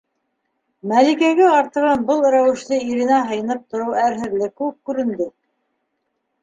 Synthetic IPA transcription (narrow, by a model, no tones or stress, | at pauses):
mælikæɡæɑɾt̪ɤ̆ʁɑnbɤlˠɾæwɘ̆ʃlɘiɾɘ̆næɦɤ̆jɤ̆nɤp̚t̪ŏɾɤwæɾɦɘ̆ðlɘkʉɘp̚kʉɾɘ̆nd̪ɘ